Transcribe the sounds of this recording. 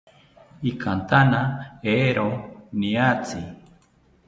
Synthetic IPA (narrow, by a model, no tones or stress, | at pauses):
ikʰant̪anaeɾoniat͡si